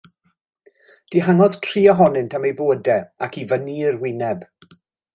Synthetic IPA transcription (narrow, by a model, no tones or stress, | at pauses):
d̥iɦaŋɔð̥tʰr̥iːɔɦɔnɪntʰamejboːədɛakivənirwɪnɛb